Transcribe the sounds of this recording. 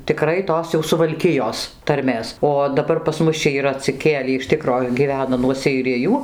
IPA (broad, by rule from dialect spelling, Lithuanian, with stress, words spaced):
tʲɪˈkrɐɪ ˈtoːs jɛʊ sʊʋɐlʲˈkʲɪjoːs tɐrʲˈmʲeːs oː dɐˈbɐr pɐs ˈmʊs t͡ʃʲɛ iːˈrɐ ɐtʲsʲɪˈkʲeːlʲiː ɪʃ ˈtʲɪkroː ɡʲiːˈʋʲæːnɐ nuɔ sʲɛɪˈrʲɪjuː